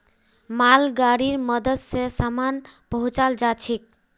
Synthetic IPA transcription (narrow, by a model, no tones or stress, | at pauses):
malɡaɽiɾməd̪əd̪sesamanpəɦũt͡ʃald͡ʒat͡ʃʰik̚